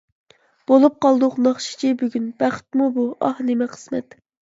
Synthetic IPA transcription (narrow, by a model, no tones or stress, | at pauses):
b̥olˠup̚qɑlˠd̪ʊqnɑχʃi̥t͡ʃʰibyɡʲynb̥æχt̪mubuʔɑhnemɪqʰə̥smɛ̰t̪